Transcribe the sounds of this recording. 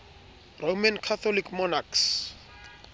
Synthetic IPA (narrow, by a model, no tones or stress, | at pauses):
romankʰat̪ʰɔlikʰmɔnaks